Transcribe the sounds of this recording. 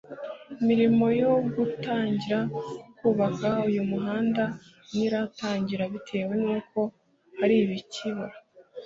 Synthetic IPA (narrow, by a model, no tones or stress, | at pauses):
imiɾimo̞jo̞ɡutaːɲɟiɾakuːβakaujumuɦaːnda | niɾataːɲɟiɾaβitʰe̞ːwe̞nuːko̞ | haɾiβiciβoɾa